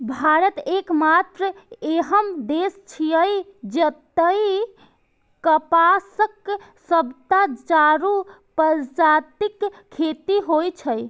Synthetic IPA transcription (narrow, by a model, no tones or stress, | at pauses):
bʱaɾət̪ekmat̪ɾəeɦəmd̪est͡ʃʰiəjd͡ʒət̪əj | kəpasək | səbt̪at͡ʃaɾu | pəɾd͡ʒat̪ikʰː | et̪iɦojt͡ʃʰəj